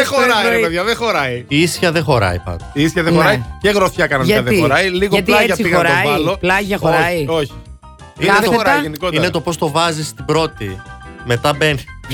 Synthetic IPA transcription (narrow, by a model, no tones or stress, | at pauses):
eoɾɐipeðʝɐðexo̞ɾɐiiisçɐðexo̞ɾɐ̰ipɐ̰nd̪ɐiistçɐðexoɾɐiceɣɾoθçɐkɐnɐɐɐðeioɾɐiliɣoɐt̪lɐɐsiɣɐoɾt̪ovɐloplɐʝɐxoɾɐioçi̥ | ieɐtot̪ɐʝenikot̪inet̪opo̞st̪o̞vɐzist̪ibɾo̞t̪ime̞t̪ɐben